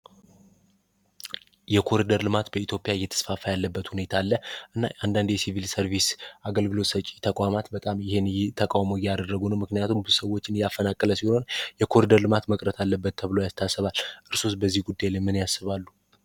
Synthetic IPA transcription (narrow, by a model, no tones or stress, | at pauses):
jɛkʰo̞ɾid̪əɾlɨmat̪bəit̪ʰjo̞pʼijaɨjːɛt̪ʰə̥sfafajalːəbːət̪hune̞t̪ʰalːəʔɨnːa̰and̪and̪jɛsivilsəɾvisaɡəlɡɨlo̞t̪sət͡ʃʼit̪ʰəkʼamat̪bət̪ʼamjɪhenjɛt̪ʰəkʼawmojad̪ərːəɡunəwmɨknijat̪ʰumbɨsəwo̞t͡ʃːɪnjafːənakʼːələsiho̞njɛkʰo̞ɾid̪əɾlɨmat̪məkʼɾət̪ʰalːəbːət̪ʰːəβlo̞jast̪ʰasːəβalʔɨɾsusbəzːihɡud̪ːajlamːɨnjasːɨβalːu